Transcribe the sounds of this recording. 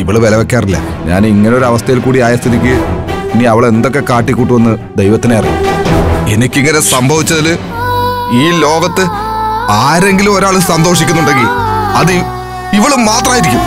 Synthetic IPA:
iʋiɭɨʋelɐʋekːaːrilːɐ̰ | ɲa̰ːniŋːɐneo̞ɾuɐʋɐst̪ʰɐjilkuːɽiaːjɐst̪iðikʲːɨiniɐʋiɭe̞nd̪o̞kːe̞kaːʈːikʲːuːʈːuʋenːɨ | d̪ejʋɐt̪ːineɐrḭj̰uenikʲːiŋːɐne̞sɐmbʱɐʋit͡ɕːɐðilɨ | iːlo̞ːɡɐt̪ːɨ | aːɾe̞ŋɡilumo̞ɾaːɭɨsɐnd̪o̞ːʂikʲːunːuɳɖe̞ŋɡilɐð | iʋiɭumaːt̪rɐmːjiɾikʲːum

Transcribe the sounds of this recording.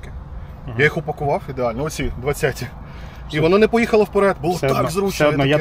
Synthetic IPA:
kɪ | jajixʊpɐkʊʋɑwʲid̪eɑlʲnɔɔsʲid̪ʋɐt͡sʲːatʲi | iʋɔnɔnɛpɔjixɐlˠɐwpeɾɛd̪bʊlˠɔɛkzɾut͡ʃɛɔd̪nɔja

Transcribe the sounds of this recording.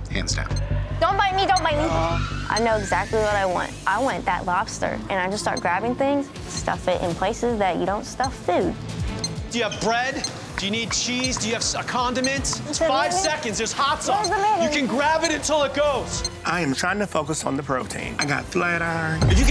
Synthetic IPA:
hæ̰̃nzdæ̰̃nd̥õʊ̃nb̥aɪt̚midõʊ̃nb̥aɪt̚miʔa̰ɪnoʊɨɡzæk̚tˡliwʌɾaɪwɑ̰̃nt̚ʔaɪwɛ̃nðɨ̰ʔˡlɑb̥stə̰˞ʔɨ̃ñaɪd͡ʒʌstɑ̰ɹt̚ɡ̥ɹæbɪ̃ŋθɪ̃ŋz̥ | stʌ̰fɪɾʔɨ̰̃npʰl̥eɪsɨzðɨt͡ʃɨɾõʊ̃ntstʌffʉd̥̚d̥ɨjɨævbɹɛd | d̥ɨjɨnid̚t͡ʃʰizdɨjɨæv̥kʰɑ̃ndɨmɨ̃ntssfaɪvsɛkɨ̃ndzðə˞z̥hɑtsʌ̃zðəmẽjɨkɨ̃nɡɹævɨɾɨ̃ntʰɪlˠət̚ɡ̥oʊz̥ʔaɪɨ̃mtʰɹ̥aɪɪ̃ŋtʰɨfoʊkəsn̩ðəpʰɹ̥oʊtʰḭ̃ɪ̃naɪɡɑ̰t̚θlɛɾə˞ɨfjɨk

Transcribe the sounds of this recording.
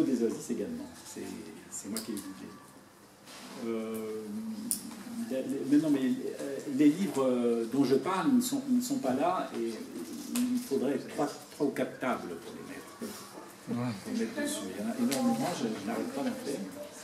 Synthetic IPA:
od̪ezwaziseɡalmɑ̰̃sɛ̰sɛmwakʲied̪id̪ḛ | ø | lelmɛ̃t̪nɑ̃mɛlelivʁəd̪ɔ̃ʒəpaʁlnəsɔ̃inəsɔ̃palae | iilfod̪ʁɛt̪χwat̪χwaukat̪χt̪ablpuʁlḛmɛ̰t̪χ | puʁmɛt̪χd̪əsyʁjɑ̃naʔenɔʁmemɑ̃ʒəʒənaʁɛt̪pad̪ɑ̃fɛʁm

